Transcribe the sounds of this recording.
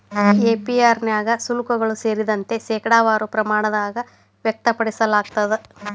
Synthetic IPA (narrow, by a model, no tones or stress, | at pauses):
eːpiaːɾnjaːɡɐsulukɐɡɐɭuseːɾid̪ɐnt̪e̞ʃɛːkɐɽaːʋaːɾupɾɐmaːɳɐd̪aːɡɐ | ʋjɐk̚t̪ɐpɐɽisɐlaːɡ̚t̪ɐd̪e